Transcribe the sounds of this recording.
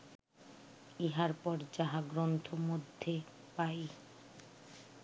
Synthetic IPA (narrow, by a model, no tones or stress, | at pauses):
iɦaɾpɔɾd͡ʑaɦaɡɾont̪ʰomod̪ʱːe | paj